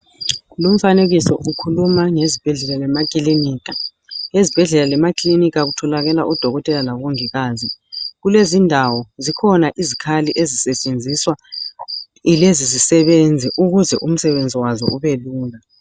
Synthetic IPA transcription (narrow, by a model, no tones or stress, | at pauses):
lum̩faneɣisɔʔukʰulumaŋezib̥ʱɛɮɛlalɛmakʼiliniːka | ezib̥ʱɛɮɛlalɛmakʼlinikaɣutʰɔlaɣɛla̰ʔud̥ʱɔɣɔtʼɛlalaβoŋiɣaːziɣulezindʱawɔzikʰɔnaʔizikʰaliʔezisɛt͡ʃʼend͡zʱiswa | ilezizisɛβend͡zʱɛʔuɣuzɛʔum̩sɛβend͡zʱiwazɔ̰uβeluːla